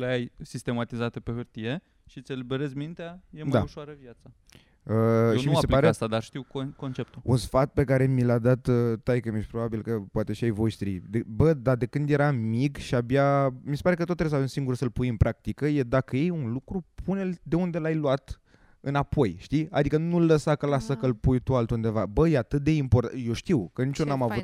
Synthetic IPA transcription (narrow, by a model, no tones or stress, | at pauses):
leajsist̪e̞mat̪izat̪epehɨrt̪ije̞ | ʃit̪sʲelibeɾezmint̪eajemdaauʃoaɾəvjat̪sa | əeniumiaseplpaeast̪ad̪aʃt̪iwkko̞nt͡ʃe̞p̚t̪uṵnsfat̪̚pe̞kaɾe̞milad̪at̪ət̪ːajkəmeʃpɾo̞babilkəpoat̪e̞ʃiajvo̞ʃt̪ɾḭd̪ebəd̪ad̪e̞kɨnd̪je̞ɾamikʃiabjamise̞paɾe̞kət̪ot̪ːɾes̬avemsiŋɡuɾusəlpujɨnpɾʔak̚t̪ikəje̞d̪akəje̞junlukɾupʰune̞ld̪e̞und̪e̞lajluat̪ | ɨnapʰo̞jʃt̪ia̰d̪ikənulːəsakəlasəkəlpujt̪ualt̪und̪e̞vabəjeat̪ɨt̪̚d̪e̞impo̞rt̪ajo̞ʃt̪iwkənit͡ʃonamavu